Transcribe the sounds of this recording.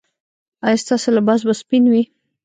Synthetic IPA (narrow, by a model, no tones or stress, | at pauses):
ajɑst̪ɑselabɑzbaspinwi